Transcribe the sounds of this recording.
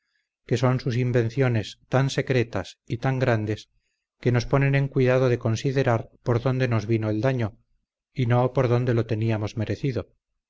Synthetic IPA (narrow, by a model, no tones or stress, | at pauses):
ke̞so̞nsus̬imbẽ̞nθjo̞ne̞st̪anse̞kɾe̞t̪asit̪aŋɡɾand̪e̞s | ke̞no̞spo̞ne̞ne̞ŋkwiðað̞oðe̞ko̞nsiðe̞ɾaɾpo̞ɾðo̞nd̪e̞no̞zβino̞eld̪aɲo̞ | ino̞po̞ɾðo̞nd̪e̞lo̞t̪e̞niamo̞zme̞ɾe̞θiðo̞